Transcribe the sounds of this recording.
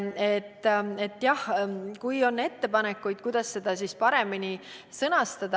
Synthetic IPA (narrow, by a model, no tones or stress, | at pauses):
et̪ːe̞t̪ːjɑhkujo̞nːe̞t̪ːe̞pɑne̞kːˑujd̪̥̚kujd̪̥ɑsːe̞d̪̥ɑsispɑɾe̞mini | sɤnɑst̪ɑd̪̥ɑ